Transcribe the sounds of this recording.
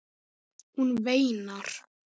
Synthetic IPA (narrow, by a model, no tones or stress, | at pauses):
hunveːjnaɾ̥